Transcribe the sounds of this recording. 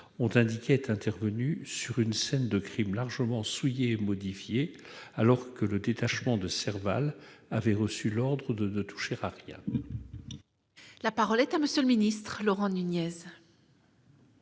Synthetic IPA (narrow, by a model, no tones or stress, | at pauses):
ɔ̃t̪ɛ̃d̪ikʲeɛt̪ɛ̃t̪ɛʁvənysyʁynsɛnd̪əkχimlaʁʒəmɑ̃sujeːmɔd̪ifje | alɔʁkələd̪et̪aʃmɑ̃d̪əsɛʁva̰l | avɛʁəsylɔʁd̪ʁəd̪ənət̪ʰu̥ʃeʁaʁjɛ̰̃ | lapaʁɔlɛt̪aməsjøləminist̪χlɔʁɑ̃nynjɛz